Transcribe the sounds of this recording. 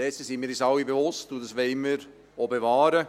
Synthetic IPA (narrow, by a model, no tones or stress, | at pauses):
ɛsəsimiːɾisɑwibeʋʊstudɑsʋɛɪməɾ | oːbevɑːɾə